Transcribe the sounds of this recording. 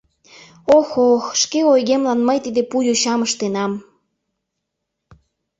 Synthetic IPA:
oxoxʃkeojɣemlɑnməjt̪id̪epujuɕɑməʃt̪enɑm

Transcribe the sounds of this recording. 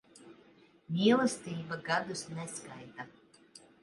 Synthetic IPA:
mʲiɛlˠast̪iːbaɡad̪usnɛskajt̪a

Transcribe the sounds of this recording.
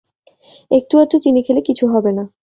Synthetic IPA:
ek̚ʈuaɾt̪ut̪inikʰelekit͡ɕʰuɦɔbena

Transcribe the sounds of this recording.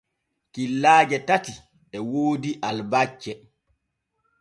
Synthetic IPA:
kilːaːd͡ʒɛtati | ɛwoːdiʔalbat͡ʃːɛ

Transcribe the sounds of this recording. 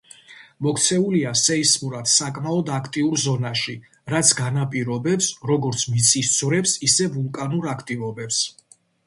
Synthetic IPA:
mɔkʰt̪sʰɛuliasɛismuɾat̪ʰsakʼmaɔd̪akʰt̪ʼiuɾzɔnaʃi | ɾat̪sʰɡanapʼiɾɔbɛpsɾɔɡɔɾt̪sʰmit̪sʰʼist̪sʼʰvɾɛpsisɛvulˠkʼanuɾakʰt̪ʼivɔbɛps

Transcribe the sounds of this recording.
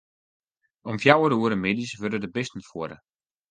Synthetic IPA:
ɔmfjawəɾəuəɾəmedisʋødədəbɪstn̩fuəɾə

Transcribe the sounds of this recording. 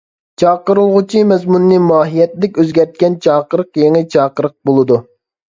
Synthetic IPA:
t͡ʃʰɑːqəɾɨlˠʁʊt͡ʃʰimɛzmunːɨmɑːɦijɛt̪ːɪd̪ɛkʲøzɡʲɛɾt̪̚kʲɛnt͡ʃʰɑːqəɾəqjeŋɨt͡ʃʰɑːqəɾəq̚bolˠɨd̪u

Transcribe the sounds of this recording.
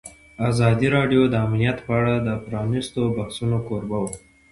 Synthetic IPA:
azɑd̪iɾɑɖjod̪əamlijat̪pəaɽad̪əpɾɑnist̪obahsunokoɾbawə

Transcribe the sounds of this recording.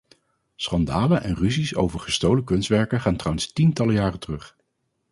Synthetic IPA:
sχɑndaːləʔɛnryziso̰wvəɹχəstowləkɵnstʋɛɹkəχaːntrawənstintɑləjaːrətərɵχ

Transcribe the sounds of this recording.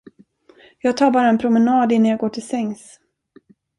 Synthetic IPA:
jɑːɡ̚t̪ʰɑːɾbɑːɾaɛnpʰɾʊmɛnɑːd̪ɪnːanjɑːɡoːʈʰɪlsɛŋs

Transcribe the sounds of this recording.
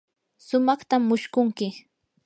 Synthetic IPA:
sʊmɑχt̪amːʊʃkʊŋkɪ

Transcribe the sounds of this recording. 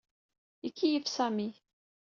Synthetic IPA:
ikːijəfsæmi

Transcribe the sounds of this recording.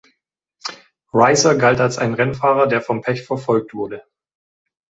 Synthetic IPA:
ʁaɪsɐɡaltalsʔa̰ɪnʁɛnfaːʁɐdeːɐfɔmpʰɛçfɛɐfɔlk̚tv̥ʊɐdə

